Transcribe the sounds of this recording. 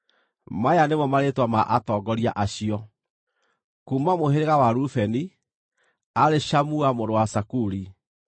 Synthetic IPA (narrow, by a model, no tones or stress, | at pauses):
majanemɔmaɾetwamaʔatɔːɡɔɾiaʔaɕiɔ | kuːmamoheɾeɣawaɾufɛni | aɾeʃamuamoɾowasakuɾi